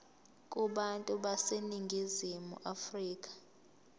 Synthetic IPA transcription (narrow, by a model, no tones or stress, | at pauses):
kʼuɓantʼuɓaseniŋɡʱizimṵʔafriːk̬ʼḁ